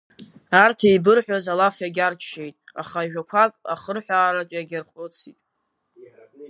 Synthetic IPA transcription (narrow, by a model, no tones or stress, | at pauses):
artʰejbɨrħʷᶣazalafjaɡʲart͡ʃʰʃe̞jtʼa̰χaiʒᶣakʷʰakʼa̰χərħʷaːɾat͡ʃʷʼjaɡʲarχʷʼot͡sʰitʼ